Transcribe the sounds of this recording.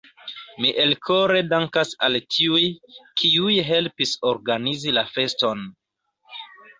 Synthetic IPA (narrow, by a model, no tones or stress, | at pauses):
miʔelkʰoɾe̞daŋkasa̰ltiujkʰiujɦe̞lpisoɾɡanizilafe̞sto̞n